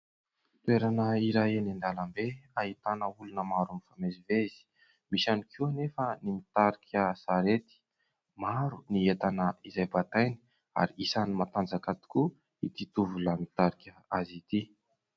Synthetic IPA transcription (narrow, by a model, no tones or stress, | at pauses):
t̪ueɾanəiɾajenand̪alambeaɦit̪anəulunəmaɾunifamezivez̥i̥ | misanikʰinefənimit̪aɾikʰʲəsaɾet̪i̥ | maɾuniet̪anəizajbat̪ajni̥ | a̰ɾiisanimat̪and͡zakat̪i̥ku | it̪it̪uvulamit̪aɾikʲəazit̪i